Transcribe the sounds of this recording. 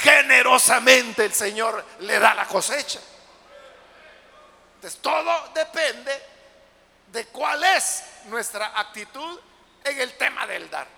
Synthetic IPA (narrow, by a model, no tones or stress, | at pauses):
xeneɾosamẽnt̪eːlseɲo̞ɾleðalako̞set͡ʃḁ | t̪est̪oðoðepend̪e | ðekwalesnwest̪ɾaʔak̚t̪it̪uð | eŋelt̪ema̰ðeld̪a̰ɾ